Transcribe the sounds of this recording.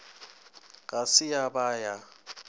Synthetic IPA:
kʼasɪjabaːja

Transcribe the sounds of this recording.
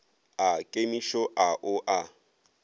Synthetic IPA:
akʼemiʃɔʔaʔʊʔa

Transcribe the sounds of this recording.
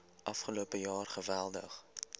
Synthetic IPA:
ʔɐfχəloːpəjɑːrχəvælˠdə̰χ

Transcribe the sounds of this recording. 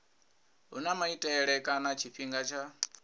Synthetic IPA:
ɦunamaitʼɛɺɛkʼanat͡ʃʰiɸiŋɡat͡ʃʰa

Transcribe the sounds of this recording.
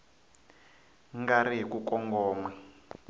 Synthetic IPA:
ŋɡariɦikukɔŋɡɔːmwɛ

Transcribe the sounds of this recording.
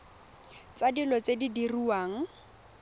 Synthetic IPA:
t͡sadilɔt͡sedidiruwaːŋ̩

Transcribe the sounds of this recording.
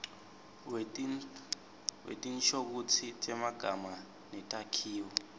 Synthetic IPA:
w | wḛtʼinʃʰok̬ut͡sʰit͡ʃʼɛmaɡ̥ʱama | nɛtʼakʰiːwɔ

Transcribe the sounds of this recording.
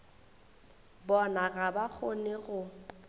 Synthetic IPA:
bɔnaɣabak͡xʰʊnɪɣʊ

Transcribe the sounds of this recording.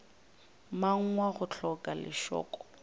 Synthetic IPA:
maŋ̩ŋwaχʊt͡ɬʰɔkʼalɪ̰ʃɔ̰ːkʼɔ̥

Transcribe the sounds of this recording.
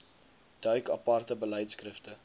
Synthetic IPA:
d̥œɥkɐpɐrtəbəlɛjtskrəftə

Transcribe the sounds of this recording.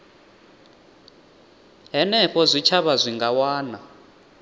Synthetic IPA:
ɦɛnɛɸɔzʷit͡ʃʰaβazʷiŋɡawaːna

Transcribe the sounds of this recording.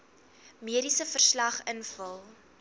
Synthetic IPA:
miəɾisəfərslɐχənfəlˠ

